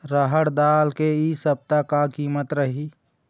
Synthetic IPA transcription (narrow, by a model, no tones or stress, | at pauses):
ɾəɦəɽd̪aːlkeisəb̚t̪akakiːmət̪ɾəɦiː